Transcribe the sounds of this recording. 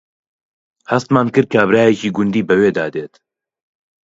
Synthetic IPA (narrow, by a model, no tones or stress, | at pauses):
hɐst̪maːnkɨɾkʰaːbɾaːjɛciːɡʊnd̪iːbəweːd̪aːd̪eːt̪